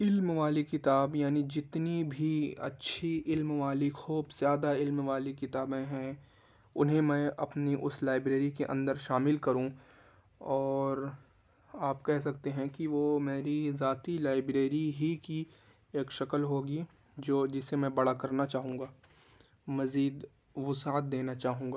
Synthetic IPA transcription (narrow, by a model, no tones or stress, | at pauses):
ɪlmʋaːlikɪt̪aːbjaːnid͡ʒɪt̪nibʱiɐ̰tːʃʰiɪlmʋaːlɪkxuːbz̥jaːd̪aɪlmʋaːlikɪt̪aːbẽɦɛ̃ | ʊnɦẽmɛ̃ʔɐpniʔʊslaːɪbɾeːɾikeʔɐ̰̃nd̪əɾʃaːmɪlkɐɾũ | ɔːɾ | aːpkɛɦs̬ɐk̚t̪eɦɛ̃kiʋoːmeːɾizaːt̪ilaːɪbɾeːɾiɦiki | eːkʃɐkəlɦoːɡi | d͡ʒoːd͡ʒɪsːemɛ̃bɐɽakɐɾnat͡ʃaːɦũːŋɡaː | mɐziːd̪ | ʋʊsaːət̪̚d̪eːnat͡ʃaːɦũːɡaː